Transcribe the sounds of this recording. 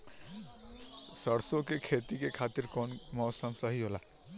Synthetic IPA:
səɽsokekʰeːt̪ikekʰaːt̪iɾkɔːnmɔːsəmsəɦiɦolaː

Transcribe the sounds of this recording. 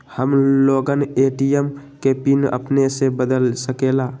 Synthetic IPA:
həmloːɡəneːʈijəmkepinə̰pnesebəd̪əlsəkelaː

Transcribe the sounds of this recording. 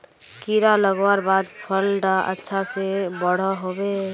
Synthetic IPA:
kiɾaləɡwaɾbaːd̪pʰəlɖaʔə̰tːʃʰasebəɽ̤əɦoːbe

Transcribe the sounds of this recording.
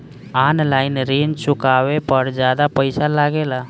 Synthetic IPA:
aːnlaːɪnɾiːnt͡ʃʊkaːʋepəɾd͡ʒjaːd̪apəɪsalaːɡeːla

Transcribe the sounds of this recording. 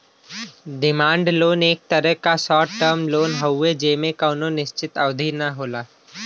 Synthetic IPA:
d̪ɪmãːɳɖloːneːk̚t̪əɾəɦkasɔːʈʈəɾmloːnɦɐwːed͡ʒeːmẽkəːnonɪʃt͡ʃɪt̪ɐʋd̪ʱinaɦoːlaː

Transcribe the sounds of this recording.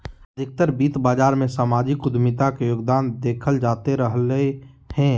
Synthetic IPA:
əd̪ʱɪk̚t̪əɾbiːt̪baːd͡ʒaːɾmẽsaːmaːd͡ʒɪkʊd̪mɪt̪akejoːɡd̪aːnd̪eːkʰəld͡ʒaːt̪eɾəɦle | hɛ̃ː

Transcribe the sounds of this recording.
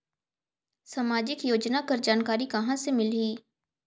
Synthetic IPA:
saːmaːd͡ʒɪkjoːd͡ʒnakɐɾd͡ʒaːnkaːɾikɐɦãsemɪliː

